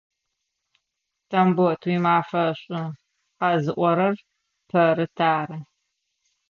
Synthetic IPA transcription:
tʰɐmbɔtʰwiːmaːfɐɕʼʊ | qɑːzɨʔʷɔɾɐr | pʰɐɾɨtʰaːɾɐ

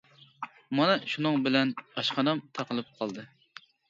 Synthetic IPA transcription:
mɑnɑʃunɨŋbɪlɛnɑʃqʰɑnɑmt̪ʰɑqəlˠɨp̚qʰɑlˠd̪ɨ

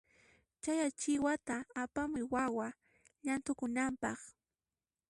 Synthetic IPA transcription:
t͡ʃajat͡ʃɪwat̪aːpamʊjwawa | ʎant̪ʊkʊnampɑχ

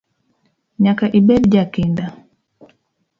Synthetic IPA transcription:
ɲakaʔiɓɛɗd͡ʒakinda

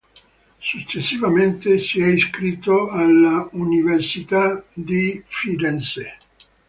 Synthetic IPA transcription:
sut͡ʃːesːivament̪esiɛiskɾit̪ːoalːauniversit̪ad̪ifiɾɛnse

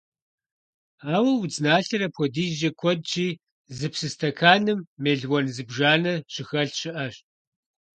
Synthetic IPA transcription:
aːwɐwd͡znaːɬɐɾɐpʰɔdiːd͡ʒɐkʷʰɔd̚t͡ʃiː | zɨpsɨstʰɐkʰaːnɨmːeːɮwɔnzɨbʒaːnɐɕɪxɐɬɕɪʔɐɕ

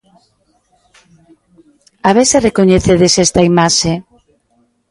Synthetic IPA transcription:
aβeserekoɲeθeðesɛst̪ɐimaʃe

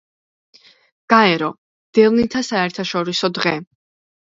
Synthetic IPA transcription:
ɡ̥aɛɾɔ | d̪̥ɛvnit̪ʰasaɛɾt̪ʰaʃɔɾisɔd̪ʁɛ

